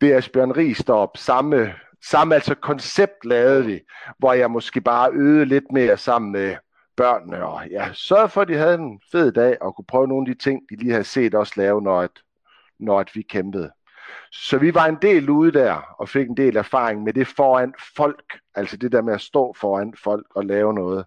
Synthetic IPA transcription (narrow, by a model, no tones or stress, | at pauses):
d̥e̝æsb̥ɶɐnəʁḭːsd̥ɒb̥sɑ̈mə | sɑ̈məæl̰sɒkʰɒ̽nseb̥̚d̥lɛːʊð̩ˠʋiʋɒjɑ̈ɪmɒ̽sɡ̥e̝̰ːb̥ɑ̈ːʔøːð̞̩ˠəle̝d̥me̝ːɐsɑ̈m̰n̩me | b̥ɶɐ̰nnəɒ̽jæsɶɐð̩ˠfɒ̽d̥iɦæð̥ˠenfe̝ð̰ˠd̥ɛ̰ːɒ̽kʰupʰʁœːʊno̝ːnæd̥it͡sʰe̝ŋ̰d̥iliːhæð̩ˠse̝̰ːd̥ɒ̽slɛːʊənɒæd̥ | nɒæd̥ʋikʰemb̥əð̩ˠ | sɒ̽ʋiʋɑ̈e̝nd̥e̝̰ːluːð̞ˠd̥æɐ̰ɒ̽fe̝ɡ̥end̥e̝̰ːlæɐfɑ̈ːʁeŋmed̥e̝fɒːæn̰̥fɒ̽l̰ɡ̥ | æl̰səd̥e̝d̥eɐmeæsd̥ɔ̰̽ːfɒːæn̰̥fɒ̽l̰ɡ̥ɒ̽lɛːʊənɔ̽ːð̞̩ˠ